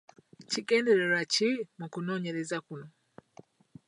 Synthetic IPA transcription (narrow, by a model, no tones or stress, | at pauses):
ciɡe̞ːnde̞ɾeɾacimukuno̞ːɲe̞ɾezakuno